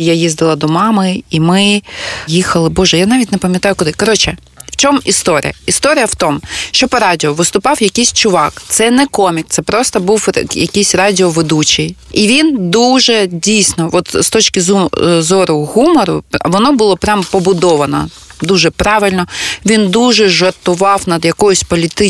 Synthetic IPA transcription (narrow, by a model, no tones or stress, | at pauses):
jajizd̪ɪlˠɐd̪ɔmɑmɪimɪjixɐlˠɪbɔʒɛjanɑʋʲitʲnɛpɐmʲjɐt̪ɑjʊkʊd̪ɪkɔɾɔt͡ʃɛ | w̥t͡ʃɔmist̪ɔɾʲḭjɐist̪ɔɾʲɪjɐwt̪ɔmʃt͡ʃɔpɐɾɑdʲɪɔʋɪst̪ʊpɑwjɐkʲɪjsʲt͡ʃʊʋɑkt̪sɛnɛkɔmʲik̚t̪sɛpɾɔst̪ɔbuwjɐ̰kʲijsʲɾɑdʲɪɔʋed̪ut͡ʃij | iʋʲind̪uʒɛdʲijsʲnɔɔt̪st̪ɔt͡ʃkʲɪzzɔɾʊɣumɔɾʊ̰ʋɔnɔbʊlˠɔpɾʲampɔbʊd̪ɔʋɐnɔ̰ | d̪uʒɛpɾɑʋɪlʲnɔʋʲind̪uʒɛʒɐrt̪ʊʋɑwnɐd̪jɐkɔjʊsʲpɔlʲit̪ɪ